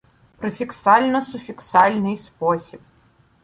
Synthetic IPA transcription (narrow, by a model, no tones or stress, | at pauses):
pɾɨfʲiksalʲnɔsʊfʲiksalʲnɪjspɔsʲip̚